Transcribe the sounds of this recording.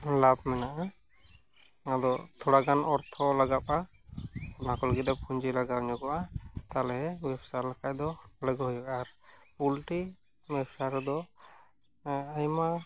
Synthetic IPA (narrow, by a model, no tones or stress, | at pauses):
lab̚mɛnaʔa | ad̪ɔt̪ʰɔɽaɡanɔɾt̪ʰɔlaɡap̚a | makɔlɡit̪̚d̪ɔpʰuɲd͡ʒilaɡabɲɔkɔʔat̪alɛɦɛbɛbsalakac̚d̪ɔlɛɡɔɦɔjɔkaɾulʈi | mɛbsaɾɔd̪ɔ | ajma